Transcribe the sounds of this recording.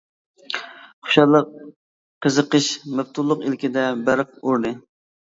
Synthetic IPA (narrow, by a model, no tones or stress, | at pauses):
χʊ̥ʃɑlˠəqː | əzəqəʃmɛb̚t̪ʰulˠːʊqilkʲɪd̪ɛbæɾəq̚uɾnɨ